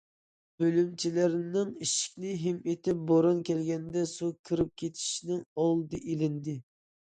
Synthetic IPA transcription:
b̥ølymt͡ʃʰilɪɾnɪŋiʃi̥kʲnɪɦɪmet̪ʰɪp̚boɾɑnkʲʰɛlɡʲɛnd̪ɛsukʰɨɾɪp̚kʲʰet̪ʰi̥ʃinɪŋolˠɨd̪ɨʔelɪnd̪ɪ

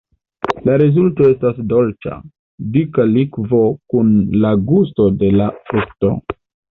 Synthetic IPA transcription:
laɾezulto̞e̞stasdo̞lt͡ʃa̰ | dikalikvo̞kunlaɡusto̞de̞lafɾukto̞̰

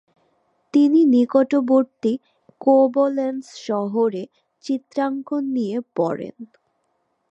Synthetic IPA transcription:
t̪ininikoʈoboɾt̪i | kobolensʃɔɦoɾe | t͡ɕit̪ːɾaŋkʰonːijepɔɾḛn

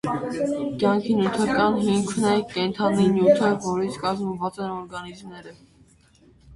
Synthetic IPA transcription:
kjɑŋkʰinjut̪ʰɑkɑnɦiŋkʰnɛkɛnt̪ʰɑninjut̪ʰəvɔɾit͡sʰkɑzməvɑt͡sɛnɔɾɡɑnizmnɛɾə

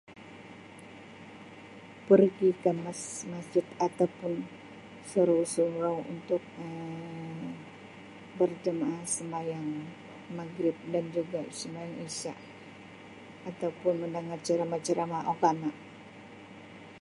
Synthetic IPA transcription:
pərɡikamasmad͡ʒɪt̪at̪awpʊn | səɾosuŋɾaŋṵnt̪ʊk̚ə | bərd͡ʒəmaasəmbajaŋ | maɡɾɪp̚dand͡ʒuɡasəmbajaŋisa̰ʔ | at̪awpʊnməndaŋart͡ʃaɾamat͡ʃaɾamaʔokanaʔ

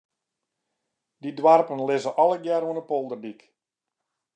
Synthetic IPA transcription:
didwarpənlɪzəʔɔləɡjɛruənəpolˠdərdik

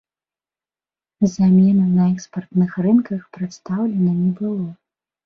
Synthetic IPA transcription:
zamʲɛnɐnɐɛkspɐrt̪nɨxrɨnkɐxpɾɨt̪st̪awlʲɛnɐnʲɛbɨlˠɔ

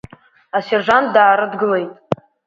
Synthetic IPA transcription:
aserʒʷandaːɾɨdɡɨle̞jtʼ

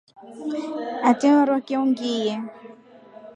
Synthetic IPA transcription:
atiɔɾwakiuŋɡijɛ

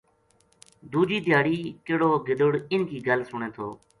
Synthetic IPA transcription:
d̪uːd͡ʒiːd̪ɪjaːɽiːkeːɽoːɡɪd̪əɽɪnkiːɡəlsʊɳẽːt̪ʰoː

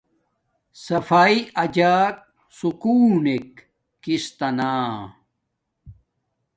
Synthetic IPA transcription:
sɐfaːiɐd͡ʑaːk̚ | sukuːnek̚ː | ist̪ɐnaː

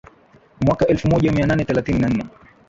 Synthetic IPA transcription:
mwakaʔɛlfumɔʄamiananɛθɛlaθininan̩nɛ

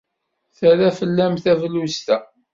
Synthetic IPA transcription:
θæɾæfəlːæmθævlust̪æ

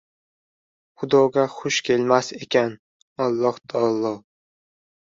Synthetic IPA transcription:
χʊd̪ɒɡʲaχʊʃkʲʰe̞lmasekʲan | ɒlˠːɒhd̪̥ɒlˠːɒ

